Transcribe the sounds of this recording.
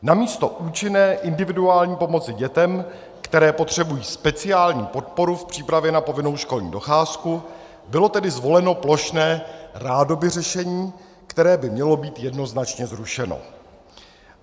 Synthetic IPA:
namiːst̪o̞ʔuːt͡ʃɪnɛːʔɪndɪvɪduaːlɲiːpo̞mo̞t͡sɪɟɛt̪ɛm | kt̪ɛɾɛːpo̞t̪r̝̥ɛbujiːspɛt͡sɪaːlɲiːpo̞t̪̚po̞ɾufpr̝̥iːpɾavjɛnapo̞vɪno̞wʃko̞lɲḭːdo̞xaːsku | bɪlo̞t̪ɛdɪzvo̞lɛno̞plo̞ʃnɛːraːdo̞bɪr̝ɛʃɛɲiː | kt̪ɛɾɛːbɪmɲɛlo̞biːt̪jɛdno̞znat͡ʃɲɛzɾuʃɛno̰

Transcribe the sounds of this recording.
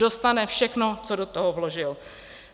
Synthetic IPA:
o̞st̪anɛfʃɛxnot͡sodot̪oɦovloʒɪl

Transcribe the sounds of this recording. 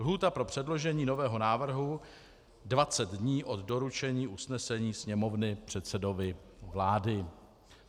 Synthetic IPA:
lɦuːt̪apɾo̞pr̝̥ɛdlo̞ʒɛɲiːno̞vɛːɦo̞naːvr̩ɦu | dvat͡sɛd̪dɲiːʔo̞d̪do̞ɾut͡ʃɛɲiːʔusnɛsɛɲiːsɲɛmo̞vnɪpr̝̥ɛt̪sɛdo̞vɪ | vlaːdɪ

